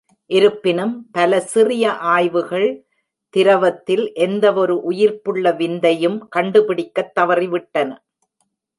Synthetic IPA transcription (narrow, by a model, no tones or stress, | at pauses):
ʔɪɾɯpːɪnɯmpɐlɐsɪrɪjɐʔaːjʋɯɣɐɭ | t̪ɪɾɐʋɐt̪ːɪlʔɛnd̪ɐɔɾɯʔʊjɪɾpɯɭːɐʋɪnd̪ɐjɯmkɐɳɖɯpɪɽɪkːɐt̪ːɐʋɐriʋɪʈːɐnɐ